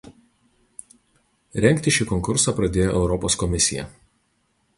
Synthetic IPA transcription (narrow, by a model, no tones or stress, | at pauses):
ɾʲɛŋʲˑkʲt̪ʲɪʃʲiːkɔŋkʊɾsɑˑpɾɐd̪ʲeːjoːʔɛʊɾɔpɔskɔmʲɪsʲɪjɛ̰